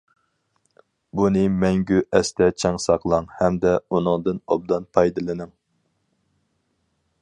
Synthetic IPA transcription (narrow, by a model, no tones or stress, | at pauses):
bunɨmɛŋɡʲyʔɛst̪ʰɛt͡ʃʰɛŋsɑqlˠɑŋhɛmd̪ɛunɨŋd̪ɨnɑ̰b̚d̪ɑnpʰɑjd̪ɨlˠɨnɨŋ